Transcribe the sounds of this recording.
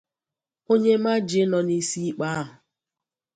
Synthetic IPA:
o˦ɲe˦ma˦d͡ʒɪ˦nɔ˨ni˦si˦i˦k͡pa˦a˦ɦʊ˨

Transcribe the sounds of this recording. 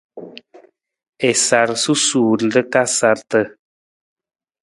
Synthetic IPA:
ɛ˨sa˨ɾsu˦suː˨ɾdə˦ka˦sa˨ɾtə˦˨

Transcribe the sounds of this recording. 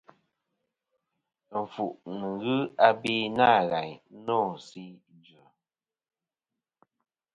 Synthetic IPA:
ɱ̩˨fu˨ʔnə˨ŋɣɯ˦a˦bi˦na˦˨ɣa˨ɲ˦nɔ˦˨si˦ | d͡ʒʉ˨

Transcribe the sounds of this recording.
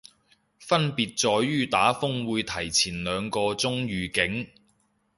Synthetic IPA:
fɐ˥npiː˨˧t̚t͡sɔː˧jːyː˥t̪aː˨˥fʊ˥ŋwuː˨˧jt̪ʰɐ˨˩jt͡sʰiː˨˩nlœː˨˧ŋkɔː˧t͡sʊ˥ŋɥyː˨kɪ˨˥ŋ

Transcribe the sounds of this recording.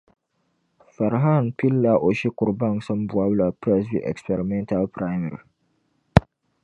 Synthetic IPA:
fɛ˨ɾɦa˦˨npi˦lːa˦ʔo˨ʃi˦kʊ˨ɾba˦˨ŋsɔ˦mbwa˦bla˨pɾɛ˦svḭ˦ʔɛ̰˨kspɛ˨ɾi˨mɛ˦nta˦lpɾa˦ɪ˦mɛ˨ɾi˨

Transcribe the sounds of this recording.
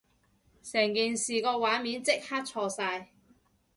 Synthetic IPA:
sɛː˨˩ŋkiː˨˩nsiː˨kɔː˧waː˨˥nmiː˨˥nt͡sɪ˥k̚haː˥t̚t͡ʃʰɔː˧saː˧j

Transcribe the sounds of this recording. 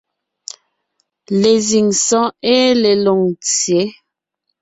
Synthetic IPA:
le˨zi˨ŋsɔ̃˦e˦le˨lo˨ŋt͡sje˨˦

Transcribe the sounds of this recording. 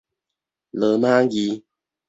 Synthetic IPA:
lə˨ma˦ŋ˦ɡi˦

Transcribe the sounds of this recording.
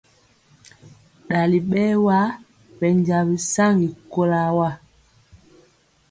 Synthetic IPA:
ɗa˨li˨ɓɛ˦wa˦ | pɛ˨ɲd͡ʒa˨βi˨sa˦ŋɡi˨ko˦la˦wa˦˨

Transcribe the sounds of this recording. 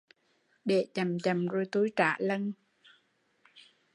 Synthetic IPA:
ɗe˧˩t͡ɕə˨˩mt͡ɕə˨˩mzo˧jt̪u˨˦jt͡ɕa̰ː˧˨lə˧n

